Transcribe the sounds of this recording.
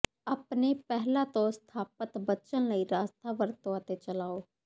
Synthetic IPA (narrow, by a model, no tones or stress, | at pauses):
aːpneːpɛɦlãːt̪õːst̪ʰaːpət̪bətːt͡ʃənləiːɾaːst̪ʰaːʋəɾt̪õːət̪eːt͡ʃəlaːoː